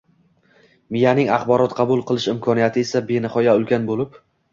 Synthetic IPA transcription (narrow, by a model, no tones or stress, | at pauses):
mɪjanɪŋɑχbɒɾɒt̪qʰɑbʊlˠqʰɨlˠɪʃɪmkʰɒnijat̪ʰɪe̞sabe̞nɪχɒjaʊlkʲʰanbolɪp